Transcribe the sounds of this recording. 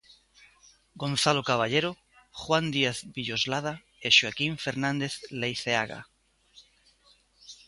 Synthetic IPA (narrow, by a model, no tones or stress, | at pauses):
ɡõnθalokaβ̞aʎeɾo | χwand̪iaθbiʎozlað̞a | eʃuakiɱfeɾnãnd̪eθlejθeaɣa̰